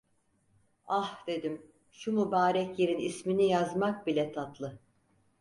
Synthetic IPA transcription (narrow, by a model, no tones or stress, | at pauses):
ahd̪̥e̞d̪im | ʃumubaːɾɛcjeɾinisminijazmak̚bilʲɛt̪ʰat̪ʰlˠɯ